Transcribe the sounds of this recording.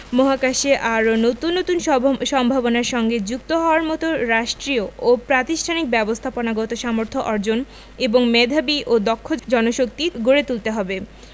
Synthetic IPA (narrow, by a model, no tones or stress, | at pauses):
moɦakaʃeʔaɾonot̪unːot̪unʃɔmbʱabonaɾʃɔŋɡed͡ʑukt̪oɦɔoaɾmɔt̪oɾaʃʈɾioopɾat̪iʃʈʰanik̚bɛbost̪ʰaponaɡɔt̪oʃamoɾt̪ʰoʔɔɾd͡ʑon | eboŋmed̪ʱabiʔod̪ɔkʰːod͡ʑɔnoʃok̚t̪iɡoɾet̪ult̪eɦɔbe